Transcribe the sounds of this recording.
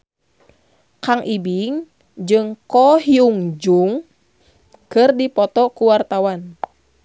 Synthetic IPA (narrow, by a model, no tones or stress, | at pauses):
kaŋʔibiŋ | d͡ʒɨŋkɔhiuŋd͡ʒuŋ | kɨrdipɔt̪ɔkuwart̪awan